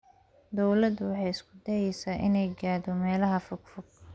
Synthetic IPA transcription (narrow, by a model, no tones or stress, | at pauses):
d̪ɔwlɐd̪wɑħɑjɪskʰʊd̪ɛjɛjsaːʔɪnɛjɡaːðɔmɛːlɐɦɐfʊɡfʊɡ̚